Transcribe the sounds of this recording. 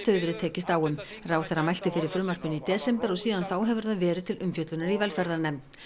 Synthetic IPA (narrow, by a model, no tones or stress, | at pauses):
t̪ʰœːðʏɾɪt̪ʰɛːcɪst̪aːwʏm | rawθɛrːamajl̥t̪ɪfɪɾɪɾ̥fɾʏːmar̥pʏnit̪ɛːsɛmpɛɾɔɣsiːðanθawɦɛvʏɾ̥θaðvɛːɾɪðt̪ʰɪlʔʏmfjœt̪lʏnaɾivɛlfɛɾðanɛmt̪